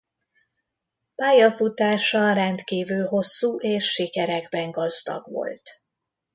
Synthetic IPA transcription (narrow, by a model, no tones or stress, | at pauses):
paːjɒfut̪aːʃɒrɛnt̪kiːvylɦo̞sːuːʔeːʃːikɛɾɛɡbɛŋɡɒzd̪ɒ̰ɡʋo̞̰lt̪